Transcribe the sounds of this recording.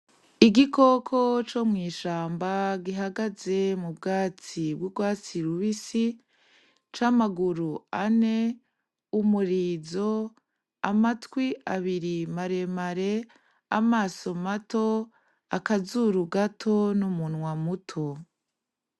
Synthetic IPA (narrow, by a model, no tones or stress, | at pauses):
iɡikʰo̞kʰo̞t͡ʃo̞mŋiːʃaːmbaɡiɦaɡaze̞mubɡaːt͡sibɡuɡwaːt͡siɾuβisi | t͡ʃamaɡuɾuane̞ | umuɾiːzo̞ | amatwiʔaβiɾimaɾe̞maɾe̞ | amaːso̞mato̞ | akazuɾuɡatʰo̞numunŋwamutʰo̞